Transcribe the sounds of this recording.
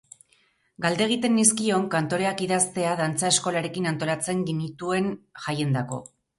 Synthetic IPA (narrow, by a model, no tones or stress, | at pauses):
ɡald̪e̞ɣ̞it̪e̞nːiskio̞ŋkant̪o̞ɾe̞akiðast̪e̞að̞ant͡sae̞sko̞laɾe̞kinant̪o̞lat͡se̞ŋɡenit̪ue̞nʝaje̞nd̪ako̞̰